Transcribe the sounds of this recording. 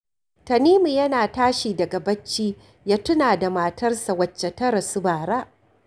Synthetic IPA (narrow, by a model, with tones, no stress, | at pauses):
tɐ˨niː˦mu˨jɐ˦naː˨taː˦ʃiː˨dɐ˨ɡa˨bɐ˦t͡ʃːiː˦ | jaː˦tʊ˦naː˨da˨maː˨tɐ˦rsa˨wɐ˨t͡ʃːɛ˨tɐ˦ɾɐ˨sʊ˦baː˨ɾaː˦ʔ